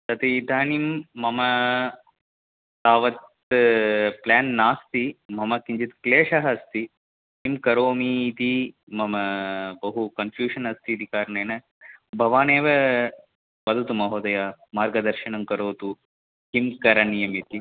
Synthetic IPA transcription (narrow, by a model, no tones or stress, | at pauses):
t̪ɐt̪id̪ʱaːnimːɐmɐ | t̪aːʋɐt̪ | plaːnːaːst̪imɐmɐkiɲd͡ʒit̪kleːʂɐɦɐst̪i | ɦimkɐɾoːmiːt̪i | mɐmɐbɐɦukɐnfjuːʂɐnɐst̪iɐd̪ikaːɾɐneːnɐ | bʱɐʋaːneːʋɐ | ʋɐd̪ʱɐt̪umɐɦoːd̪ɐjamaːɾɡɐd̪ɐɾʃiɳɐmkɐɾoːt̪u | himkɐɾɐnijɐmit̪i